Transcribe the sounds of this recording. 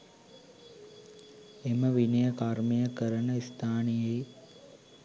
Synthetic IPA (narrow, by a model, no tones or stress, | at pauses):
eməʋinəjəkaɾmijəkəɾənəist̪ʰaːnijej